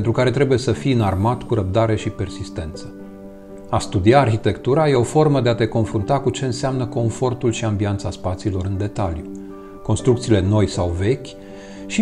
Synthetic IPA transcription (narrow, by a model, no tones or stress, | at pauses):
ent̪ɾukaɾe̞t̪ɾe̞buje̞səfijɨnarmat̪kuɾəp̚d̪aɾe̞ʃipe̞rsist̪e̞nt̪sə̥ | ast̪ud̪iaːrçit̪e̞kt̪uɾaje̞o̞fo̞rməd̪e̞at̪e̞ko̞nfɾunt̪akut͡ʃe̞ɨnseamnəko̞nfo̞rt̪ulʃiambiant̪saspat̪siːlo̞ɾɨnd̪e̞t̪alju | ko̞nst̪ɾukt̪siːle̞no̞jsawve̞kʲ | ʃi